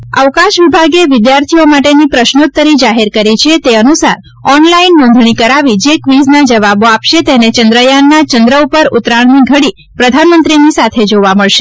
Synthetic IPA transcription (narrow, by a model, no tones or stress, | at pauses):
ə̰ʋkãʃʋibʱaɡeʋɪd̪jaɾt̪ʰijomaʈenipɾəʃnot̪ːəɾid͡ʒaɦeɾkəɾit͡ʃʰet̪eənusa̰ɾ | ɔnlainːõnd̪ʱɳikəɾaʋid͡ʒekʋiznad͡ʒəʋaboapʃet̪enet͡ʃənd̪ɾəjanːat͡ʃənd̪ɾəupəɾʊt̪ɾaɳ̃niɡʱəɽi | pɾəd̪ʱanmənt̪ɾinisat̪ʰed͡ʒoʋaməɭʃe̥